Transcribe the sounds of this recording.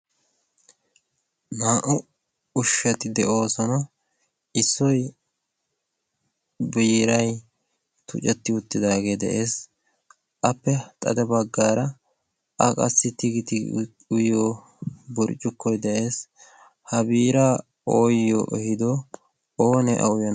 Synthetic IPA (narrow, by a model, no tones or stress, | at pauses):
naːʔʊ | ʊʃːɛt̪ɪd̪ɛʔo̞ːsɔnɐ | ɪsːɔj | biːɾɐj | t̪ʊ̰t͡ʃʼɛt̪ːɪʊt̪ːɪd̪aːɡe̞ːd̪ɛ̰ʔe̞ːs | ʔɐpːɛt̪ʼɐ̰d̪ɛbɐɡːaːɾɐ | ʔɐkʼɐ̰sːɪt̪ɪɡɪt̪ɪ | ʊjoː | bʊɾt͡ʃʼːʊkːɔjd̪ɛʔe̞ːs | hɐbiːɾaː | oːjːɔ̰ʔɛhɪd̪ɔ | oːnɛʔɐ̰ʊjɐn